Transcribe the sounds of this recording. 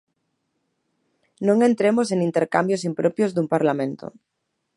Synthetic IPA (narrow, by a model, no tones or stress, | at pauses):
nõŋe̞nt̪ɾemos̬e̞nint̪eɾkambjos̬impɾopjozðumpaɾlamẽ̞nt̪o̰